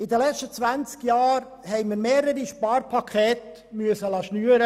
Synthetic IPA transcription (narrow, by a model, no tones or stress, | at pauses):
ɪd̪əlɛt͡ʃtət͡sʋænt͡skjɑːɾ | hɛɪməɾmeːɾəɾiʃpɑːɾpʰɑkʰχeːt̪ | myəsəlɑːʃnyːəɾə